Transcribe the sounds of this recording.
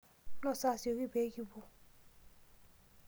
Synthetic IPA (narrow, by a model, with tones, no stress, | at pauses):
nɔ̃˦˨sa˦˨si˨˦o˧ɾi˦˨be˨˦ɡi˦bo˦